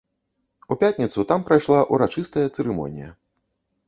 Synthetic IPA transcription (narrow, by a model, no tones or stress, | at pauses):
upʲat̪ʲnʲit̪sut̪ampɾajʂlˠaʔuɾat͡ʂɨst̪ɐjɐt̪sɛɾɨmɔ̰nʲijɐ̰